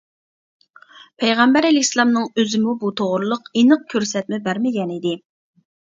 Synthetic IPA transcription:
pʰɛjʁɛmbæɾelɪkʲslˠɑmnɨŋøzɪmubut̪ʰoʁɾɨlˠəqinɨq̚kʲʰøɾsɛt̪̚mɪbæɾmɪɡʲɛnid̪ɪ

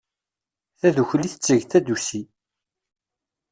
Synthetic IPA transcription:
θæðuçliθə̥t͡sːəʝθæd̪usi

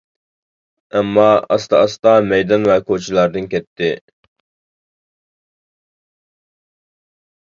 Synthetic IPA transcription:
ɛmːɑɑst̪ɑɑst̪ɑmɛjd̪ɑnvɛkʰot͡ʃʰilˠɑɾd̪ɨnkʲʰɛt̪ʰːɪ

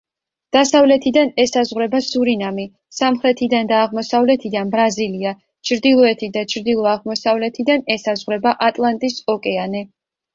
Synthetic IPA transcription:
d̪̥asavlɛt̪ʰid̪anɛsazʁwɾɛbasuɾinami | samχɾɛt̪ʰid̪and̪aːʁmɔsavlɛt̪ʰid̪anbɾazilia | t͡ʃʰɾd̪ilˠɔɛt̪ʰid̪at͡ʃʰɾd̪ilˠɔaʁmɔsavlɛt̪ʰid̪anɛsazʁɾɛbaʔat̪ʼlˠant̪ʼisɔkʼɛanɛ

